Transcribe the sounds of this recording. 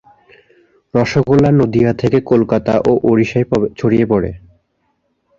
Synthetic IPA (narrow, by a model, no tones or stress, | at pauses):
ɾɔʃokolːanod̪iat̪ʰekekolkat̪a̰ʔoʔoɾiʃajt͡ɕʰoɽijepɔɽḛ